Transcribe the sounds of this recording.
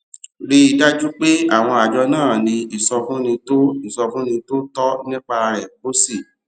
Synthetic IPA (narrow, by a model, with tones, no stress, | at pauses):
ɾi˦i˧da˦d͡ʒu˦k͡pe˦a˦˨w̃ɔ̃˧a˨d͡ʒɔ˧nãː˦˨nĩ˧i˦˨sɔ˧fũ˦nĩ˧to˦i˦˨sɔ˧fũ˦nĩ˧to˦tɔ˦nĩ˦k͡pa˧ɾɛ˨bo˦si˦˨